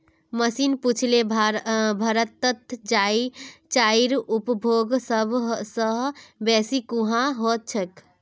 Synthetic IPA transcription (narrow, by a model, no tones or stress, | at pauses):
məsinput͡ʃʰle | bʱəɾət̪ːət̪d͡ʒait͡ʃaiɾupbʱoɡsəbʱsəɦbɛsikuɦãɦot̪̚t͡ʃʰək